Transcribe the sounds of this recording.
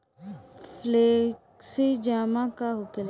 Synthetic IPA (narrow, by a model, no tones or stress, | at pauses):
fleksid͡ʒaːmãkaɦʊkɪl